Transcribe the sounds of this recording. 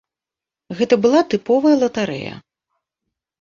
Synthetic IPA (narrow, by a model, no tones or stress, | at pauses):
ɣɛt̪ɐbɨlˠat̪ɨpɔvɐjɐlˠɐt̪aɾɛ̰jɐ̰